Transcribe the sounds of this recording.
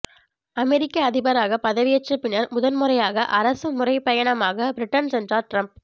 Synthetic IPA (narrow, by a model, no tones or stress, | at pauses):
ɐmɛɾɪkːɐːðɪbɐɾaːɣɐpɐðɐʋɪjɐt͡ʃːɐpɪnɐɾmʊðɐnmɯɾɐjaːɣɐʔɐɾɐsɯmʊrɐɪpɐjɐɳɐmaːɣɐbɾɪʈːɐnsɛndraːɾʈɾɐmp̚